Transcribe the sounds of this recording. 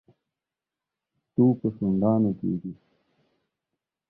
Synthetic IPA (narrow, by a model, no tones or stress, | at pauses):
t̪upəsuɳɖaːnokḛːɡi